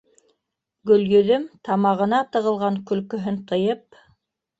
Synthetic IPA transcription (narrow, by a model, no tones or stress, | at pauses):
ɡɵ̆ljɵ̆ðɵmt̪ɑmɑʁɤ̆nɑt̪ɤ̆ʁɤ̆lˠʁɑŋkɵ̆lkɵ̆ɦɵnt̪ɤ̆jɤp̚